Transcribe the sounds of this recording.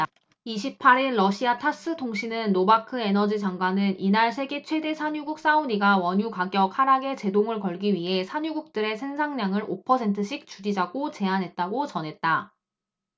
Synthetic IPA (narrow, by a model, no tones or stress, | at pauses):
iɕʰip̚pʰaɾiɭːʌɕʰiatʰas͈ɯtʰoŋɕʰinɯnːobakʰɯe̞nʌd͡ʑid͡ʑaŋɡwanɯninaɭsʰe̞ɡe̞t͡ɕʰwe̞de̞sʰaɲuɡuk̚s͈auɲiɡawʌɲukaɡjʌk̚haɾaɡe̞t͡ɕe̞doŋɯɭkʌɭɡiɥiɦe̞sʰaɲuɡuk̚t͈ɯɾe̞sʰe̞nsʰaŋɲaŋɯɾopʰʌsʰentʰɯɕʰik̚t͡ɕud͡ʑid͡ʑaɡot͡ɕe̞anɦe̞t̚t͈aɡot͡ɕʌnɦe̞t̚t͈a